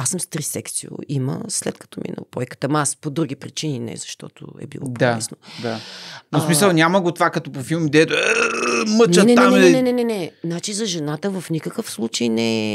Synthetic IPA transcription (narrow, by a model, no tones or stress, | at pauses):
asəmst̪ɾisɛkt̪sio̰imə̰slɛt̪kɐ̥t̪ɔmʔḭnə̰lˠpɔjkə̥t̪əmaspod̪ɾuɡ̟ipɾit͡ʃininɛ̰zɐ̥ʃt̪ɔ̰t̪o̰ɛ̰bḭlˠɔ̰pd̪aɛsnod̪anosmisəlˠnʲaməɡot̪ovakɐt̪opofilˠmid̪ɛt̪oɛmənt͡ʃənɛnɛmɛɛnɛnɛnɛnɛnat͡ʃizɐʒɛnat̪əvɐfnikəkəfslˠut͡ʃəjnɛ